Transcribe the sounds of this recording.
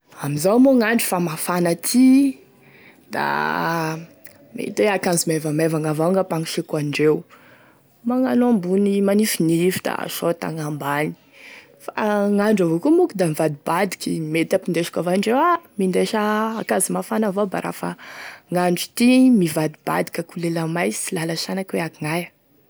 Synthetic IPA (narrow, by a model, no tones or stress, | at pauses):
amizawmoŋaɳɖ͡ʐu̥famafanat̪ʰi | d̪̥a̰ | mḛt̪weakanzimevamevaŋavaŋɡapaŋiʃekaɳɖ͡ʐew | maŋanoambunimanifinifi̥d̪̥a̰ʃot̪a̰ŋambani̥ | fa̰ŋaɳɖ͡ʐavokumukud̪amivad̪ibad̪i̥kʲimet̪apind̪eʃḁkʲavaɳɖ͡ʐewamind̪eʃaːkazimafanavoba̰ɾa̰faŋaɳɖ͡ʐu̥t̪imivad̪ib̥a̰d̪ikʲəkulelamajsi̥lalasanakweakiŋaj